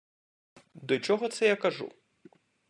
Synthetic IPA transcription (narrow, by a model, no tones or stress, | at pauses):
d̪ɔt͡ʃɔɦɔt̪sɛjakɐʐṵ